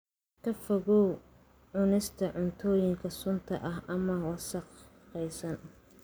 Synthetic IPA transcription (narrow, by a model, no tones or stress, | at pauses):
kʰɐfɐɣɔw | ʕʊnɪst̪ʰɐʕʊnt̪ʰɔːjɪŋkʰɐsʊnt̪ʰɐʔɐɦʔɐmɐwɑsɑq | qɛjsɐn